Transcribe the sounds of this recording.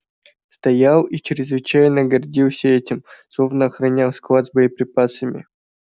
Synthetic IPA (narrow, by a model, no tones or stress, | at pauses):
st̪ɐjalˠit͡ɕɪɾʲɪzvɨt͡ɕajnəɡɐrdʲilˠsʲəɛtʲɪmslˠovnəɐxɾɐnʲalˠsklˠat̪zbəjɪpɾʲɪpasəmʲɪ̰